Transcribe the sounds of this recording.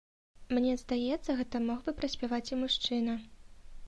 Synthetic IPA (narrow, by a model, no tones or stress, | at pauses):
mnʲɛzd̪ajɛt̪sːɐɣɛt̪ɐmɔɣbɨpɾɐsʲpʲavat͡sʲimuʂt͡ʂɨnɐ